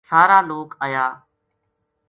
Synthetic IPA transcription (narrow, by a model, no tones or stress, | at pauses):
saːɾaːloːkaːjaː